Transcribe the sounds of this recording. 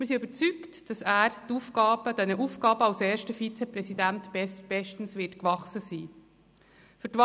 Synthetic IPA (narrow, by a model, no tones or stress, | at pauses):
mɪɾs̬iybət͡syktd̥ɑsæːɾtuːfɡ̥ɑːb̥əd̥ɛnəʔuːfɡ̥ɑːbəɑlsɛːɾʃtəfit͡sɛprɛsidæntsb̥ɛʃtn̩svɪtkvɑχsəsiː | fʏtvɑ